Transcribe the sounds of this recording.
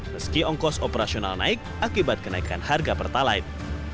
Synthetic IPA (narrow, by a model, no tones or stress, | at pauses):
məskiɔŋkɔsopəɾasiona̰lna̰ɪk̚akibat̪̚kənaikanharɡapərt̪alajt̪̚